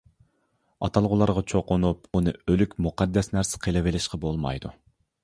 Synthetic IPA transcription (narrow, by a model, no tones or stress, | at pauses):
ɑ̰t̪ʰɑlˠʁʊlˠɑɾʁɑt͡ʃʰoqʊnupunɨølykʲmuqɑd̪ːɛsnæɾsɪ̥qʰelɪvɪlɪʃqɑbolˠmɑ̰jd̪u